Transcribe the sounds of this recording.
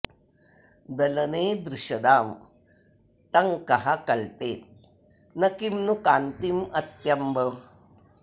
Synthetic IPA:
d̪ɐlɐneːd̪ɾuʃɐd̪aːm | ʈɐŋkɐɦɐkɐlpeːt̪̚ | nɐkimnukaːnt̪imɐt̪jɐmbɐ

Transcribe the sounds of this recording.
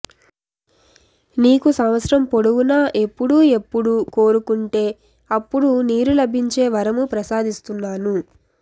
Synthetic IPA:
niːkusɐmʋɐt̪sɾɐmpo̞ɽuɡunaːʔe̞pːuɽuːe̞pːuɽuko̞ːɾukuɳʈe̞ː | ɐpːuɽuniːɾulɐbʱiɲt͡ʃe̞ːʋɐɾɐmupɾɐsaːd̪ist̪unːaːnu

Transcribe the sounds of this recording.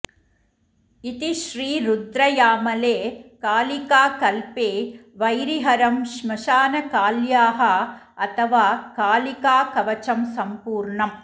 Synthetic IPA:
it̪iʃɾiːɾud̪ɾɐjaːmɐleːkaːlikaːkɐlpeːʋɐjɾiɦɐɾɐmʃmɐʃaːnɐkaːljaːɦɐ | ɐt̪ʰɐʋaːkaːlikaːkɐʋɐt͡ʃɐmsɐmpuːɾɳɐm

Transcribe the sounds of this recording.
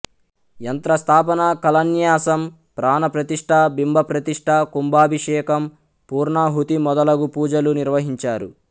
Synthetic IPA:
jɐnt̪ɾɐst̪ʰaːp̬ɐnɐkɐlɐnjaːsɐm | pɾaːnɐpɾɐt̪iʂʈʰɐbimbʱɐpɾɐt̪iʂʈʰɐkumbaːbʱiʂɛːkɐm | puːɾɳaɦut̪imɔd̪ɐlɐɡupuːd͡ʒɐluniɾʋɐɦiɲt͡ʃaːɾṵ

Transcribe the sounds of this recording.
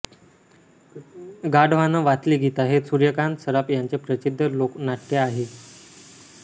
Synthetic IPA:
ɡaɽʋ̤anəʋat͡sliːɡʱit̪aɦesuɾjəkansəɾapjaɲt͡sepɾət͡ɕid̪ʱːəloknaʈʰːjeaɦe

